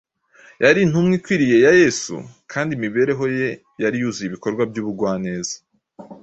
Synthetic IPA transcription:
jaɾin̥umŋikwiɾije̞jaje̞ːsṵkʰaːndimiβe̞ːɾe̞ɦo̞je̞ | jaɾijuːzijiβiko̞ɾɡwabjuːβuɡwaːne̞ːzḁ

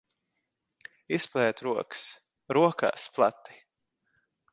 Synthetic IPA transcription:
isplˠɛːt̪ɾuɔks | ɾuɔkʰa̰ːsplˠat̪ːi̥

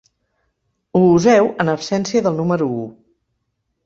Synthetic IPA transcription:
uuzɛwənəpsɛnsiəðəlˠnuməɾuu

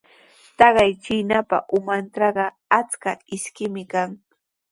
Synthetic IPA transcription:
t̪ɑɢɑjt͡ʃɪnapa̰ʔʊmanʈ͡ʂɑɢɑ | at͡skaɪskɪmɪkaŋ

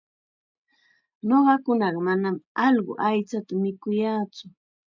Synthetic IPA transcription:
noɢɑkʊnɑɢɑmanamɑʎɢʊ̰ʔajt͡sat̪amɪkʊjaːt͡sʊ

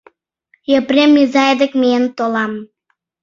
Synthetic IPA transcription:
jəpremːizɑed̪əkmeənt̪olɑm

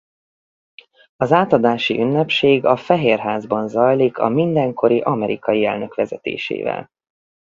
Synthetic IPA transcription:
ɒzaːt̪ɒd̪aːʃiʔynːɛpʃeːɡɒfɛɦeːrɦaːzbɒnzɒjlikʰɒ̰mind̪ɛŋkʰo̞ɾiʔɒmɛɾʔikɒjiɛlnø̞kʋɛzɛt̪ḛːʃḛːvɛ̰l

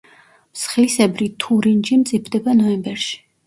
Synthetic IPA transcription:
msχilisɛbɾit̪ʰuɾind͡ʒimt̪sʼipʰd̪ɛbanɔɛmbɛɾʃi̥

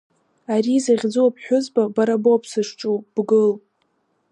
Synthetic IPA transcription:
aɾizaʁʲd͡zuwapʰħʷᶣʊzbabaɾaboapʰsɨʂʈ͡ʂʼuwb̥ɡɨl

